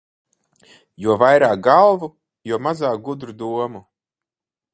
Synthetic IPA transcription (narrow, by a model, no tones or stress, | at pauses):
juɔvajɾaːk̚ɡalˠvu | juɔmazaːk̚ɡud̪ɾud̪uɔmu